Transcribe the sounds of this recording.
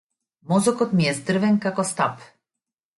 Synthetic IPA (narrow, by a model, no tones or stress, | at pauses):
mɔzɔkɔt̪miɛzd̪r̩vɛnkakɔst̪ap